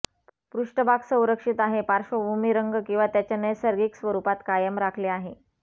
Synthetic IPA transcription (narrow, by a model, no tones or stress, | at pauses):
pɾuʂʈəbʱaɡsə̃w̃ɾəkʂit̪aɦepaɾʂəbʱumiɾəŋɡkĩw̃ʋat̪jat͡ɕjanəjsəɾɡiksʋəɾupat̪kajəmɾakʰleaɦe